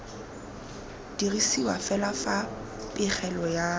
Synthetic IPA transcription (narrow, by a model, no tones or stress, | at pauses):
d̥irisiwafɛlafa | pʼɪχʰɛlɔja